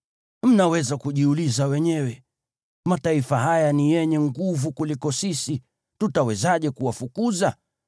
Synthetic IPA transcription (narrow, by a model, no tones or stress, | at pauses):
m̩nawɛzakuʄiulizawɛɲɛwɛ | mataifaɦajanijɛɲɛŋɡuvukulikɔsisi | tutawɛzaʄɛkuwafukuza